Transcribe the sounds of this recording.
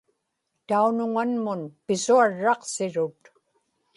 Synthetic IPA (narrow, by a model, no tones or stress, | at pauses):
t̪aunʊŋanmʊnpɪsuaɻːɑqsɪɻʊt̪